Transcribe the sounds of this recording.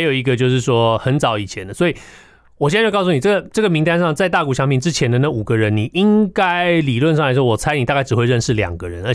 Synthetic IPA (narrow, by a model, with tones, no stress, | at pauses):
jo˨˩ʊi˧˥ɡə˧t͡ɕjo˥˧ʊʂɻ̩˥˩ʂwɔ˥xə˧˥nt͡sɑ˧˥ʊi˨˩t͡ɕʰjɛ˧˦nd̪ə˩swɔ˧˥i˨˩ | wɔ˨˩ɕɛ˥˧˥kɑ˥˧s̬u˥˩ni˨˩ʈ͡ʂə˥˩ɡə˩ʈ͡ʂɤ˥˩ɡə˩mi˧ŋt̪a˥nʂɑ˥˧ŋt͡sa˥˧ɪt̪a˥˩ku˨˩ɕjɑ˧˥ŋpi˨˩nʈ͡ʂɻ̩˧˥t͡ɕʰjɛ˧˥nd̪ə˧na˥˩u˨˩ɡə˦ɻə˧˦nni˨˩ʔi˥ŋka˦˥ɪli˨˩lwə˥˧nʂɑ˥˩la˧ɪʂwɔ˥wɔ˨˩t͡sʰa˥ɪni˨t̪a˥˧ka˥˩ɻ̩˨˩xwe˥˧ɪɻə˥˧nʂɻ̩˥˩ljɑ̰˨˩ŋɡə˦ɻə˧˦nə˧˥˩